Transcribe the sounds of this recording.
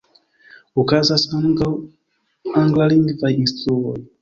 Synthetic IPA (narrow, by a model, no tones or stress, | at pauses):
ukazas | aŋɡlaliŋɡivaistɔl